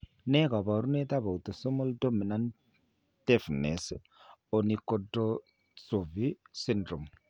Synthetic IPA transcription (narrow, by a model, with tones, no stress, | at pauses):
nɛ˦ka˨βa˨ɾu˦ne˦t̪a˦βa˨u˨to˨so˦mo˦ldo˦mi˨na˦n | te˦fne˨s | o˨ni˨ko˦do˦ | so˨vi˦si˦ndɾo˨m